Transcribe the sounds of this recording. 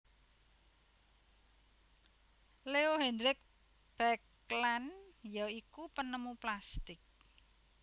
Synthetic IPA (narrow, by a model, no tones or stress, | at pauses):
leoɦɛnd̪ɾɪk̚ | b̥ɛk | lanjɔikupənəmuplast̪ɪk̚